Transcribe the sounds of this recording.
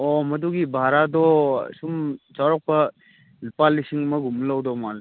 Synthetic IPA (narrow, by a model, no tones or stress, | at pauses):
ɔmɐduɡibʱaɾadɔsumt͡ʃawɾɔk̚pɐ | lupalːisiŋmɐɡumlawdɔmal